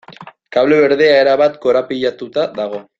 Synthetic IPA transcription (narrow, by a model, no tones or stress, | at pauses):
kaβle̞βe̞ɾðeaeɾaβat̪ko̞ɾapiʎat̪ut̪aðaɣ̞o̞